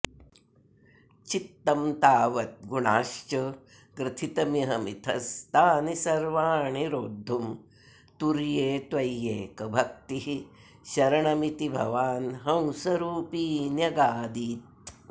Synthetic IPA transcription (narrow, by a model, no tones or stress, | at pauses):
t͡ʃit̪ːɐmt̪aːʋɐt̪̚ɡuɳaːʃt͡ʃɐ | kɾɪt̪ʰit̪ɐmiɦɐmit̪ʰɐst̪aːnisɐɾʋaːɳiɾoːd̪ʱːum | t̪uɾjeːt̪ʋɐjːeːkɐbʱɐkt̪iɦi | ʃɐɾɐɳɐmit̪ibʱɐ̰ʋaːnɦɐ̃wsɐɾuːpiːnjɐɡaːd̪it̪